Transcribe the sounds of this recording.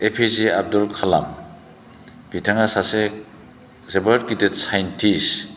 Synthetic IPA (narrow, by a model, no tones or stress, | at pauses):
epʰezeab̚dɔlkʰala̰m | b̥itʰaŋasase | zebad̚kitetsajntʰis